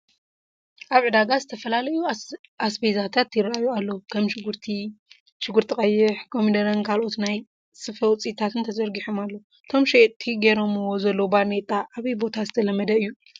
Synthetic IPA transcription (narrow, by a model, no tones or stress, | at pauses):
ʔaβʕɨd̪aɡazɨt̪ʰɐfɐlalɐju | asbejzat̪ʰat̪jɪrajualːɐwukʰɐmʃɡɾt̪ʰi | ʃɪɡɨɾt̪ʰikʼɐjːɪħkʰomid̪ɐɾɐnkʰalʔo̞t̪naj | sɨfɐwt͡sʼit̪ʰat̪ʰɨnt̪ʰɐzɐɾɡiħomalːɐwu | t̪ʰo̞mʃet̪ʼʰːiɡeɾo̞mɨwo̞zɐlːobanet̪ʼaʔːβɐjbo̞t̪ʰazɨt̪ʰɐlɐmːɐd̪ɐɨjːu